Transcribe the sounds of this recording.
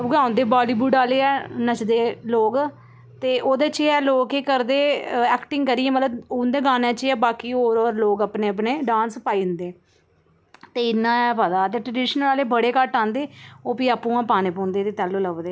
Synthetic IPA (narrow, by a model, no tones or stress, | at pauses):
ɡãːʊ̃nd̪eːbaːliːbuːɖaːleːɛːnət͡ʃd̪eːloːɡ | t̪eːʔoːd̪eːt͡ʃiɛːloːkeːkəɾd̪eːɛːkʈɪŋɡkəɾiːɛ̃ːmət̪ləbʊ̃ːnd̪eːɡaːnẽːt͡ʃiɛːbaːkiːoːɾɔːɾloːɡaːpneːəpneːɖãːnspaːĩːnd̪eː | t̪eːɪnːãːɛːpəd̪aːt̪eːʈɾəɖɪːʃənəlaːleːbəɽeːkəʈãːnd̪eːoːpiːaːpːũːãːpaːneːpɔ̃ːnd̪eːt̪eːt̪ɛːloːləʋd̪eː